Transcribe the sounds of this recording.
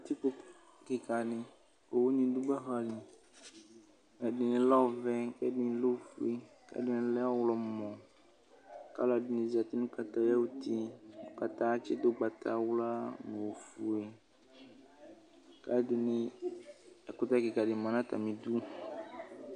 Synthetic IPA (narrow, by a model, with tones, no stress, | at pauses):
a˨t̪i˦ko˦ | kɪ˨ka˨nɪ˨ | o˨wo˦ɲĩ˦du˦ɡ͡ba˦ɦa˨li˨ | ɛ˨dɪ˨nɪ̃˨lɔ˦˨vɛ˦kɛ˦dɪ˨n˨˦lo˦fu˨e˨ | ka̰˦dɪ˦nɪ̃˨lɛ˦a˦wlɔ˨m˨˦mɔ˨ | ka̰˦la˨dɪ˨nĩ˨zi˨a˨t̪i˦nũ˦ka˨t̪a˨ja˦wu˦t̪i˦˨ka˨t̪a˨˦t͡ʃɪ˦d̪o˦ɡ͡ba˨t̪ʰa˨wla˦m˨o˨fu˨e˨ | ka˦dɪ˨nɪ˨ | kʊ˦t̪a˦ki˨ka˨dɪ˨mã˨nã˦t̪a̰˨mĩ˨du˦